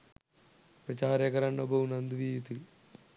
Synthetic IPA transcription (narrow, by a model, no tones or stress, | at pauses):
pɾɐt͡ʃaːɾekɐɾɐɳːɐbɐnɐnd̪uʋijut̪il